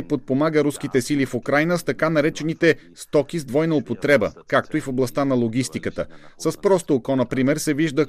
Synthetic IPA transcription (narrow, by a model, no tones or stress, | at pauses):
pot̪̚pomaɡəɾuskit̪ɛsilifukɾajnəst̪ɐkanɐɾɛt͡ʃɛnit̪ɛst̪ɔk̟ʲizd̪vɔjnəopot̪ɾɛbə̰kakt̪oifoblˠɐst̪anɐlˠoɡ̟ʲist̪ikət̪ə̰səspɾɔst̪oːkɔnɐpɾimɛɾsɛviʒd̪ə